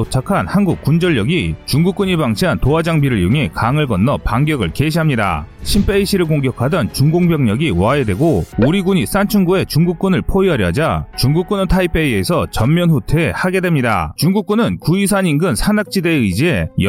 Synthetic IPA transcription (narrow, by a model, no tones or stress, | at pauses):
ot͡ɕʰakʰanhanɡuk͈und͡ʑʌʎːʌɡit͡ɕuŋɡuk͈uɲibaŋɕʰiantoad͡ʑaŋbiɾɯɾjuŋe̞kaŋɯɭɡʌnːʌpaŋɡjʌɡɯɭke̞ɕʰiɦamɲida̰ɕʰimpʰe̞iɕʰiɾɯɭkoŋɡjʌkʰadʌnt͡ɕuŋɡoŋbjʌŋɲʌɡiwae̞dwe̞ɡooɾiɡuɲis͈ant͡ɕʰunɡue̞t͡ɕuŋɡuk̚k͈unɯɭpʰoiɦaɾjʌ̰d͡ʑat͡ɕuŋɡuk͈̚unɯtʰaipʰe̞ie̞sʰʌt͡ɕʌmmːjʌnɸutʰehaɡe̞dwe̞mɲida̰t͡ɕuŋɡuk͈unɯnkuis̬ʰaɲinɡɯnsʰanak̚t͡ɕ͈ide̞ɯid͡ʑie̞j